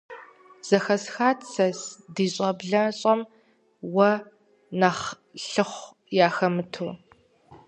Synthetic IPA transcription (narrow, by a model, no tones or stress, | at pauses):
z̥ɐxɐsxaːtt͡sɐsdiːɕʼɐbɮɐɕʼɐm | wɐ | naχ | ɬɨχʷ | jaːxɐmɨtʰoː